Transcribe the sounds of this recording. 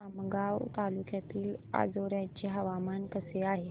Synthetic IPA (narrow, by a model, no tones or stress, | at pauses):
aməɡaʋt̪alukjat̪iːla̰d͡zoɾjat͡ɕeɦəʋamankəseaɦe